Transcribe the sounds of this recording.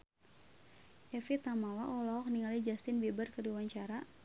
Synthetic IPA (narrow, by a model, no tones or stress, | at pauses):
ʔɛfit̪amawaʔɔlɔɔk̚niŋalid͡ʒast̪ɪnbibərkədiwaɲt͡ʃaɾa